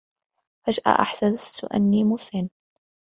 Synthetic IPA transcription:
faʒʔa̰ʔa̰ħsazast̪ʊʔa̰nːiːmʊθɪn

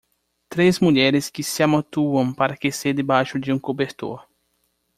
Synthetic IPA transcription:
t̪ɾezmuʎɛɾɪskɪsɪamot̪uɐ̃w̃paɾɐkeseɾd̪ɪbajʃʊd͡ʒɪũŋkobeɾt̪o̰ɾ

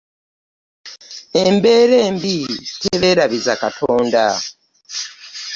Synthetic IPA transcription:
embe̞ɾeːmbiteβeɾaβizakatʰoːnda̰

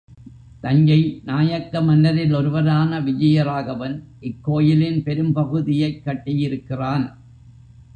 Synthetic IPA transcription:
t̪ɐɲd͡ʒɐɪnaːjɐkːɐmɐnːɐɾɪlɔɾɯʋɐɾaːnɐʋɪd͡ʒɐjɐɾaːɣɐʋɐn | ʔɪkːoːjɪlɪnpɛɾɯmpɐɣɯðɪjɐɪkːɐʈːɪjɪɾɯkːɪraːn

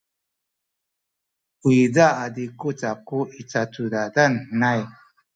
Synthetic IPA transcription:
ujd͡zaʔad̪ikut͡sakuʔit͡sat͡sudad̪annaj

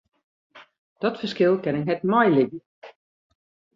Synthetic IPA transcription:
d̥ɔtfərskɪlˠkɛnɛɦɛt̚mɔjlɪɡə

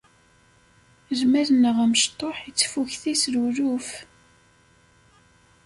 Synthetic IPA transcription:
zmæɾnəʁæməʃt̪ˤːoħit͡sːfuçθisɾuɾuf

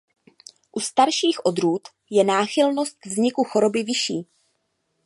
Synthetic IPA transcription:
ʔust̪aɾʃiːxʔo̞d̪ɾuːt̪ | jɛnaːxɪlno̞st̪̚vzɲɪkuxo̞ɾo̞bɪvɪʃiː

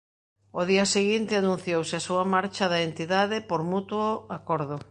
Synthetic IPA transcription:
oðiɐseɣint̪ɪanũn̟θjowsɪasuɐmaɾt͡ʃɐðɐent̪iðaðɪpoɾmut̪woakɔɾðʊ

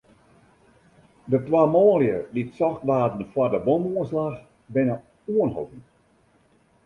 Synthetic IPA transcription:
dətwamɔːljəditsɔxtʋaːdn̩fardəbomuənslax | bɪnə | uənɦo̰tn

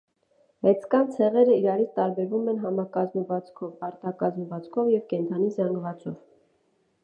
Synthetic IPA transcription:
mɛt͡sʰkɑnt͡sʰɛʁɛɾəiɾɑɾit͡sʰt̪ɑɾbɛɾvumɛnɦɑmɑkɑzməvɑt͡skʰɔvɑɾt̪ɑkɑzmvɑt͡skʰɔvjɛvkɛnt̪ʰɑnizɑŋɡvɑt͡sɔv

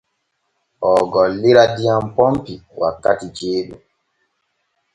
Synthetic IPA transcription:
ʔɔɡɔlːiɾadijampɔmpiwa̰kːatid͡ʒeːɗṵ

